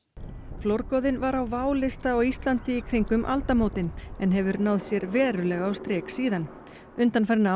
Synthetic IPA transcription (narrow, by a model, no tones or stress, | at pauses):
flowɾkɔwðɪnvaɾawvaːwlɪst̪aɔɣist̪lant̪ɪikʰɾiŋkʏmʔa̰lt̪amoːwt̪ɪnɛnɦɛvʏɾnaːwð̥sjɛɾvɛːɾʏlɛːɣaːwst̪ɾɛːksiːðan | ʏnt̪anfɛɾna